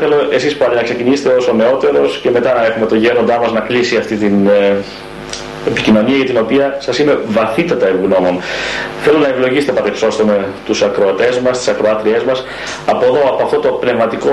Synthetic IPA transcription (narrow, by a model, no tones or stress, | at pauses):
θelo̞ʔe̞sispɐlinɐkse̞cinise̥t̪eo̞sone̞o̞t̪e̞ɾo̞sce̞me̞t̪ɐnɐe̞xume̞t̪o̞ʝe̞ɾond̪ɐmɐznɐklisiɐft̪it̪in | epicino̞niɐʝɐt̪ino̞piɐsɐsime̞vɐθit̪ɐt̪ɐebuɣno̞mo̞nθe̞lo̞nɐevlo̞ʝise̥t̪epɐɾekso̞st̪ome̞t̪usɐkɾo̞ɐt̪e̞zmɐst̪i̥sɐkɾo̞ɐt̪ɾie̞zmɐs | ɐpo̞ðo̞ɐpo̞ɐft̪o̞t̪o̞pne̞vmɐt̪iko